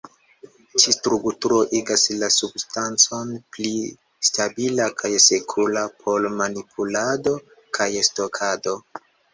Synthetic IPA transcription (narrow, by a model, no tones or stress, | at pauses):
t͡ʃistɾuktuɾo̞ʔiɡaslasubstant͡so̞npli | stabilakʰajsekʰulapʰo̞lmanipʰulado̞ | kʰajesto̞kʰado̞